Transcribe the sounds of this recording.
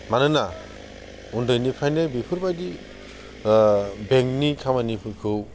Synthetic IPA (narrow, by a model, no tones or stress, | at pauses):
manɯna | undɯjnipʰajnebipʰɯɾbajdi | beŋk̚nikʰamanipʰɯɾkʰɯw